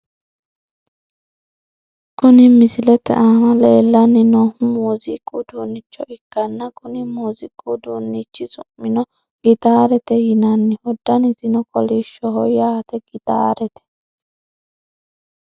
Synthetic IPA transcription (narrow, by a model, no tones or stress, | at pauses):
kʊnɪmɪsɪlɛt̪ɛ̰ʔaːnɐleːlːɐnːɪnɔhʊmuːzɪkʼːud̪uːnːɪt͡ʃːɔʔɪkːɐnːɐkʊnɪmuːzɪkʼːud̪uːnːit͡ʃːɪsʊmːɪnɔ | ɡ̥ɪt̪aːɾɛt̪ɛjɪnɐnːɪhɔd̪ːɐnɪzɪnɔkɔliːʃːɔɦɔjːat̪ɛɡɪt̪a̰ːɾɛt̪ɛ̥